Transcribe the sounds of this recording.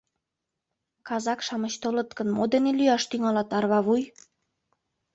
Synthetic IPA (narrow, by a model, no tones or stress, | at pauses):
kɑzɑkʃɑmət͡ɕt̪olət̪kənmod̪enelyjɑʃt̪yŋɑlɑt̪ɑrβɑβuj